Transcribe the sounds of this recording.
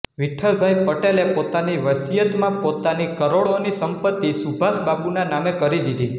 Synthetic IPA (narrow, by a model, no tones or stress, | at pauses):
ʋiʈʰːəɾbʱajpəʈelepot̪aniʋəsijət̪mãpot̪anikəɾoɭonisəmpət̪ːisubʱasbapunanamekəɾid̪id̪ʱi